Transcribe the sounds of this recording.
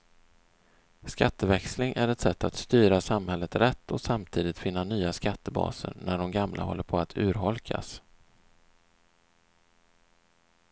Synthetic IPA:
skat̪ːəvɛkslɪŋʔæɾɛt̪sɛt̪ːat̪st̪yːɾasamhɛlːət̪ɾɛt̪ːɔsamt̪ʰiːd̪ɪt̪fɪnːanyːaskat̪ʰːəbɑ̰ːsə̰ɾnæɖɔmɡamlʔa̰ɦɔ̰lːəɾpʰɔat̪ʰʉ̟ːɾɦɔlkʰa̰s

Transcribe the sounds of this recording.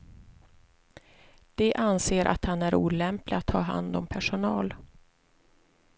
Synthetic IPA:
d̪̥ɛʔanseːɾʔa̰t̪hanæɾuːlɛmplɪat̪ʰːɑːɦa̰nd̪ɔmpʰæʂʊnɑːl

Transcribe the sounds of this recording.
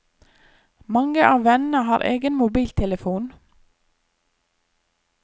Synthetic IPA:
mɑŋəʔɑːʋɛnn̩əhɑːɾʔḛːɡənmʊbiːlt̪ʰɛləfuːn

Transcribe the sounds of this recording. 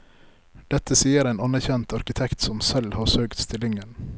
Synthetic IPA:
d̪̥ɛt̪əsiːəɾeːnɑnəɾçɛnt̪ʰɑɾkɪt̪ʰɛkt̪sɔmsɛlhɑːɾsøːkt̪st̪ɪlɪŋən

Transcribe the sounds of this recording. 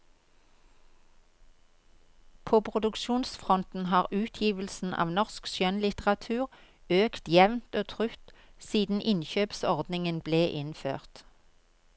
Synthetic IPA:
pʰoːpʰʁʊd̪ʉkʃuːnsfʁɔnt̪n̩hɑːʁʉːt̪ʰjiːʋəl̩sn̩ʔɑ̰ːʋnɔʁskʃjœnlɪt̪əʁɑt̪ʰʉːʁ | øːkt̪jɛʋnt̪oːt̪ʰʁʉt̪siːd̪n̩ʔɪnçøːpsɔʁd̪nɪŋənbleːʔɪnfø̰ːʁt̪

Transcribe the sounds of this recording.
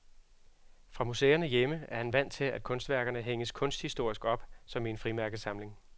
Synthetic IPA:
fʁɑ̈musḛːɐnəjeməæɐhænʋæn̰t͡sʰe̝læd̥̚kʰɔ̽nsd̥ʋæɐɡ̥ɐnəɦeŋəskʰɔ̽nsd̥hisd̥o̝ɐ̰isɡ̥ɒ̽b̥sɒ̽mienfʁimæɐɡ̥ðˠsɑ̈mle̝ŋ

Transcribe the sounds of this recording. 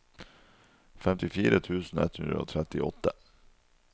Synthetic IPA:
fɛmt̪ɪfiːɾʔət̪ʰʉːsn̩ɛt̪ʰhʉnɾəo̰ːt̪ʰɾɛt̪ɪɔt̪ːə

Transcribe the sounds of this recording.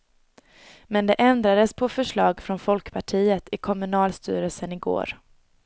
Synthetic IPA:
mɛnd̪ɛʔɛnd̪ɾad̪əspʰɔfœʂɭɑːɡfɾɔnfɔlkpʰaʈʰiːət̪ʰɪkʰɔmɵnɑːlst̪y̰ːɾəlsənɪɡo̰ːɾ

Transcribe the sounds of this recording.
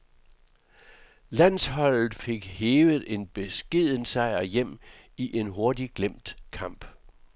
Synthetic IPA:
læn̰shɒ̽l̰ð̩ˠfe̝ɡ̥heːʋð̩ˠe̝nb̥e̝sɡ̥e̝ð̰ˠənsɑ̈ɪɐjem̰ | iʔe̝nɦo̝ɐdiɡ̥lem̰d̥kʰɑ̈m̰b̥

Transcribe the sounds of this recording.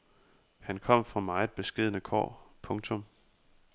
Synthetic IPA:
hænkʰɒ̽m̰fʁɑ̈mɑ̈ɪe̝d̥̚b̥e̝sɡ̥e̝ð̰ˠnəkʰɒ̰ːpʰɔ̽ŋt͡sʰɔ̽m

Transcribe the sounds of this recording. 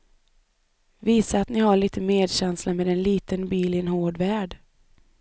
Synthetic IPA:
viːsaːt̪nɪhaɭiːt̪əmeːd̪ɕɛnslameːd̪ɛnliːt̪ənbiːlɪnhoːɖvæːɖ

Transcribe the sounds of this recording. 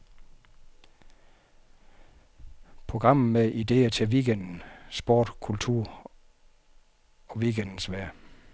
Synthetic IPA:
pʰʁo̝ɡ̥ʁɑ̈m̰n̩meʔid̥e̝̰ːɐt͡sʰe̝ʋiɡ̥en̰d̥n̩sb̥o̝ːd̥kʰult͡sʰuɐ̰ | ɒ̽ʋiɡ̥end̥n̩sʋæɐ̰

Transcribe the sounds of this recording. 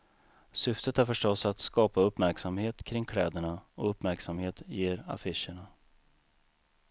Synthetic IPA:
sʏft̪ət̪æɾfœʂʈɔsat̪skɑːpaɵpːmæɾksamheːt̪kʰɾɪŋːkʰlɛːd̪əɳaɔɵpmæɾksamheːt̪jeːɾa̰fɪʂəɳa

